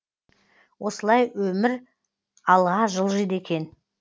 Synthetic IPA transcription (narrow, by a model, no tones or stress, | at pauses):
wʔo̞səlˠɑjwɵmɪɾ | ɑlˠʁɑʒəlˠʒed̪e̞kʲe̞n